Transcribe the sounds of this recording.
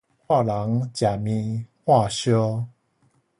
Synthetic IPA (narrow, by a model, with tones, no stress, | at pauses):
kwa˥˧la˨˦ŋt͡ɕja˨˩mĩ˧hwa˥˨ɕɤ˥˦